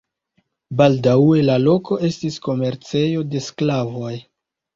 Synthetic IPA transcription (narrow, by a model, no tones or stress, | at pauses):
baldawe̞lalo̞ko̞e̞stisko̞me̞ɾt͡se̞jo̞de̞sklavo̞j